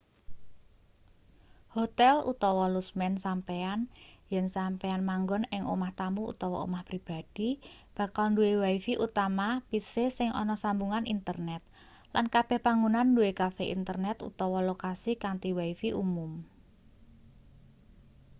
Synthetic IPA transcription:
hot̪ɛlṵt̪ɔwɔlusmɛnsampeanjɛnsampeanmaŋɡɔnɪŋʔo̰maht̪amuṵt̪ɔwɔ̰o̰mahpɾib̥a̤d̥i̤b̥a̤kalnduewaifiʔut̪amapisesɪŋʔɔ̰nɔsambuŋanint̪ərnɛt̪̚ | lankab̥ɛhpaŋunanduwekafeʔḭnt̪ərnɛt̪ṵt̪ɔwɔlokasikant̪iwaifiʔumʊm

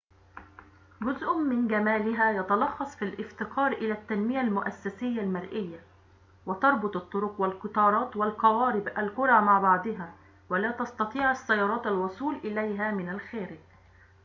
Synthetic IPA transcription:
ɡʊzʔʊmːɪnɡamaːlɪɦæːjɑt̪ɑlɑxːɑsˤfilʔɪft̪ɪqʰɑːɾˤʔɪlæːt̪ːanmɪjalmʊʔasːasɪjːalmaɾʔɪjːa | wɪt̪ɑɾˤbʊt̪ˤɑt̪ˤːʊɾʊqwalqʊt̪ɑːɾˤɑːt̪walqɑwɑːɾɪbʔalkʊɾˤɑːmaʕbɑʕd̪ɪɦaː | walæːt̪ɑst̪ɑt̪ˤiːʕasːajːɑɾˤɑːt̪alwʊsˤuːlʔɪlajɦaːmɪnalxeːɾɪɡ

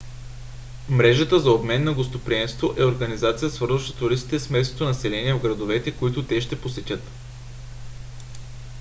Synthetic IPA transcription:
mɾɛʒət̪əzɐobmɛnːɐɡost̪opɾiɛmst̪voʔɛoɾɡɐnizat̪sijəsvɤɾzvɐʃt̪o̥t̪ʊɾist̪i̥t̪ɛsmɛsnot̪onɐsɛlɛniɛvɡɾɐd̪ovɛt̪ɛkoit̪ʊt̪ɛʃt̪ɛposɛt̪ʲɤt̪

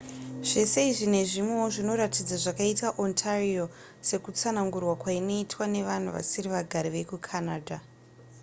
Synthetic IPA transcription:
ʐ̥e̞se̞iʐine̞ʐimwewoʐino̞ɾatid͡zaʐakaitaʔontʰario | se̞kut͡sanaŋɡurwakwaino̞itwane̞ʋan̤uʋa̰siriʋaɡʱaɾiʋe̞kukʰanaːdʱa

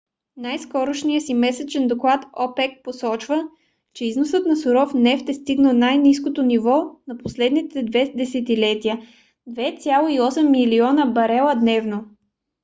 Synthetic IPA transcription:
najskɔɾoʃnijəsimɛsɛt͡ʃɛnd̪oklˠat̪ɔpɛk̚posɔt͡ʃvə | t͡ʃɛiznosət̪nɐsʊɾɔfnɛft̪ɛst̪iɡnənajniskot̪onivɔnɐposlɛd̪nit̪ɛd̪vɛd̪ɛsɛt̪ilɛt̪iə | d̪vɛt̪sʲjalˠoiɔsɛmːiliɔnəbɐɾɛlˠəd̪nɛvno

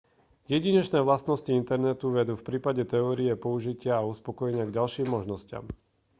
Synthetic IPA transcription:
jɛɟiɲɛt͡ʃnɛːʋlast̪nɔsciint̪ɛɾnɛt̪uʋɛd̪ufpɾiːpaɟɛt̪ɛɔːɾiɛpɔuʒicɪaːuspɔkɔjɛɲɪaɡɟalʃiːmːɔʒnɔscɪa̰m

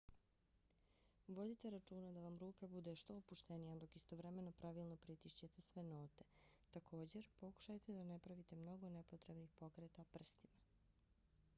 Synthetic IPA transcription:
ʋo̞d̪it̪e̞ɾat͡ʃuːnad̪aʋamɾuːkabud̪e̞ʃt̪o̞ːpuʃt̪enijad̪o̞kist̪o̞ʋɾeme̞nopɾʔaʋilˠno̞pɾit̪iʃt͡ɕet̪esʋe̞no̞ːt̪e̞t̪akʰo̞ːd͡ʑe̞ɾpo̞ku̥ʃajt̪ed̪ane̞pɾaʋit̪e̞mno̞ɡo̞ne̞pot̪ɾebnixpo̞kɾet̪apr̩st̪ima

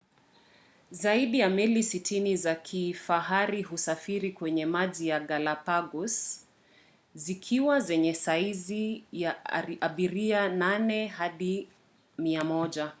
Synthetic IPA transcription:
zaiɗijamilisitʰinizakʰifaɦaɾihusafiɾikwɛɲɛmaʄijaɡalapaɡus | zikʰiwazɛɲɛsaizijaaɓiɾiananɛɦaɗi | miamɔʄa

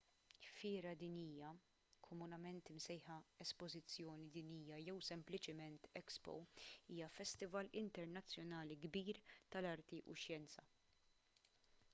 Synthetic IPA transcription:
fɪːɾɐd̪iniːjɐ | kʰɔmʊnɐmɛnt̪ɪmsɛjħɐɛspɔzɪt͡sːjɔːnid̪iːniːjːɐjɛwsɛmplɪt͡ʃɪmɛnt̪ɛkspɔ̰iːjɐfɛst̪ɪvɐlɪnt̪ɛɾnɐt͡sːjɔnɐːliɡbiːɾt̪ɐlɐɾt̪iʔṵʃjɛnt͡sɐ

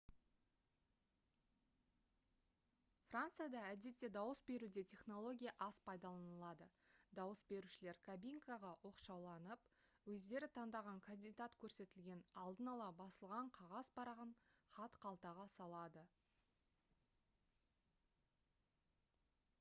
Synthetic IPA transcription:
frant̪sɨjad̪ɑæd̪e̞t̪ːe̞d̪ɑwəsbe̞ɾud̪e̞t̪ʲʰe̞χno̞lˠo̞ɡʲijaʔɑspʰɑjd̪ɑlˠɑnəlˠɑd̪əd̪ɑwəsbe̞ɾuʃɪle̞ɾkʰabijŋkɑʁɑwʔo̞qʃɑwlˠɑnəpwɵzd̪e̞ɾɪt̪ʰɑnd̪ɑʁɑŋkʰanʲd̪id̪at̪kʲʰɵɾse̞t̪ɪlɡʲe̞nɑlˠd̪ənɑlˠɑbɑsəlˠʁɑɴqʰɑʁɑzbɑɾɑʁəɴχɑt̪qʰɑlˠt̪ɑʁɑsɑlˠɑd̪ə

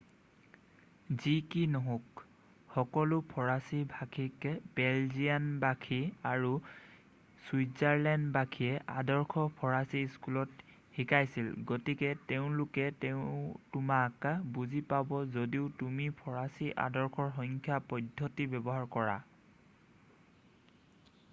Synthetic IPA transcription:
zikinɔɦɔ̃k | xɔkɔlʊpʰɔɹasibʱakʰikɛbɛlzijanbakʰiaɹu | swizaɹlɛndbakʰiɛʔadɔɹkʰɔpʰɔɹasiskulɔt | hikʰajsilɡotikɛteʊ̃lʊkɛteʊ̃tʊmakabuzipabɔzodiʊtumipʰɔɹasiʔa̰dɔɹxʰɔɹxɔŋkʰjapɔdʱːɔtibɛbɔɦaɹkɔɹa̰

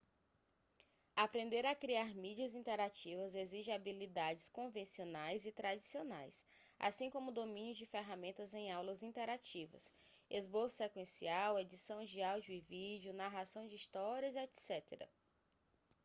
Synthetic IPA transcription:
apɾẽnd̪eɾɐkɾiaɾmid͡ʒiɐzĩnt̪ɛɾat͡ʃivɐzeziʒɪ̃abilid̪ad͡ʒɪskõvẽsionajzɪt̪ɾad͡ʒisionajs | a̰sĩkõmʊd̪omĩnjʊd͡ʒɪfeɦamẽnt̪ɐzẽj̃awlɐzĩnt̪ɛɾat͡ʃivɐ̰s | ezbosʊ̥sekwẽsiawed͡ʒisɐ̃w̃d͡ʒɪawd͡ʒʊivid͡ʒiʊnaɦasɐ̃w̃d͡ʒɪist̪ɔɾiɐzɛt̪sɛt̪ḛɾɐ̰

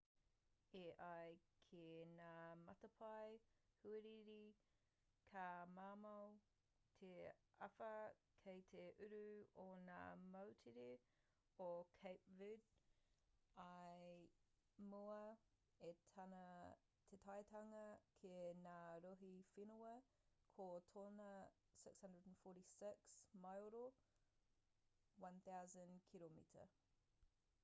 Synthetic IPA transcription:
eʔɐjkʰenaːmɐtɐpʰɐjhʉeɾiɾi | kʰamaːmɐw | tʰeɐ̰fɐkʰejt̪ʰeʔʉɾʉona̰ːmɐwtʰiɾe | okʰejpvʉd | ɐɪ | muə | etʰanə | tʰetʰajtʰaŋəkʰenaɾoɦifɪnəə | kʰɔtʰɔnə | sɪkshɐ̃ndɹədn̩fɔːˑɾisɪksmajoɾo | wɐ̃nθaʊzə̃nkʰilomḭtʰə̰

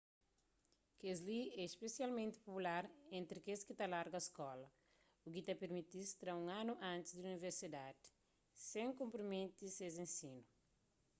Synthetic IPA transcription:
kezliɛspesjalmẽnt̪i̥populaɾẽnt̪ɾikeskit̪alaɾɡɐskɔlɐ | ukit̪apeɾmit̪ist̪ɾaũŋanuʔãnt̪izd̪iuniveɾsid̪ad̪i̥ | sẽŋkõmpɾimẽnt̪isezẽnsinu

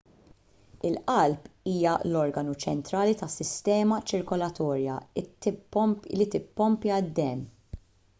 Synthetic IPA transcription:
ɪlʔɐlpiːjɐlɔɾɡɐnut͡ʃɛnt̪ɾɐːlit̪ɐsɪst̪ɛːmɐt͡ʃɪɾkɔlɐt̪ɔːɾjɐ̰ | lit̪ɪpːɔmpjɐd̪ːɛn

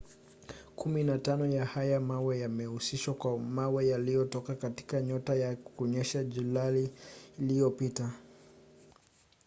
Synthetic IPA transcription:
kʰuminatanɔjahajamawɛjamɛusiʃwakwamawɛjalijɔtɔkakati̥kaɲɔtajakɔɲɛʃaʄulaliːlijɔpita

